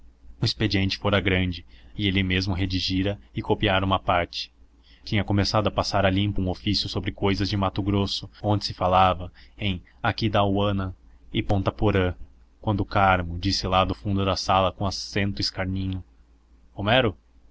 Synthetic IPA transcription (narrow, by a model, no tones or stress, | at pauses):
ʊisped͡ʒiẽnt͡ʃɪ̥foɾɐɡɾɐ̃nd͡ʒɪɪelɪmezmʊɦed͡ʒiʒiɾɐɪkopiaɾɐũmɐpaɾt͡ʃɪ̥ | t͡ʃĩɲɐkomesad̪ʊɐpasaɾɐlĩmpɐũofisjʊsobɾɪkojzɐzd͡ʒɪmat̪ʊɡɾosʊõnd͡ʒɪ̥sɪfalavɐẽj̃ | akid̪awɐ̃nɐ | ɪpõnt̪ɐpoɾɐ | kwɐ̃nd̪ʊkaɾmʊd͡ʒisɪlad̪ʊfũnd̪ʊd̪ɐsalɐkõasẽnt̪ʊɪskaɾnĩɲʊ | omɛɾʊ